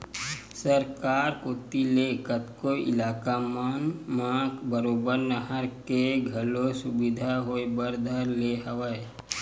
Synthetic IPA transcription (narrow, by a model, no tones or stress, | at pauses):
səɾkaːɾkoːt̪ilekət̪koɪ̰laːkamaːnmãːkbəɾoːbəɾnəɦəɾkeɡʱɐlosʊbɪd̪ʱaɦoebəɾd̪ʱəɾleɦəwəe